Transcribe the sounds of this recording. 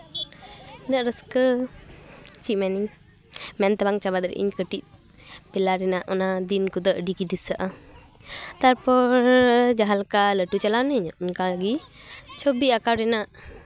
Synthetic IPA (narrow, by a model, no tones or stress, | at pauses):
nəʔɾəskə | t͡ʃimɛniŋ | mɛnt̪abaŋt͡ʃabad̪ɾɛ̰ʔḭɲkəʈit̪̚ | pɛlaɾɛnaʔɔnad̪inkud̪əʔɖikidisaʔa | t̪aɾpɔɾd͡ʒaɦalkaləʈut͡ʃalanəɲɔʔnkaɡit͡ʃʰɔbiakawɾɛnaʔ